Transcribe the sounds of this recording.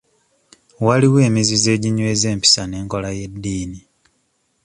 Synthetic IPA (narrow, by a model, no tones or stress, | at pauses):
waliwe̞ːmizize̞ːɟiɲwe̞ːze̞ːmpi̥sane̞ːŋko̞laje̞dːiːni